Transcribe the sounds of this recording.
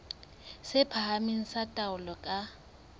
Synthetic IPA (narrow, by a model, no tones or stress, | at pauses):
sɪpʰahamiŋ̩satʼaʊlɔkʼa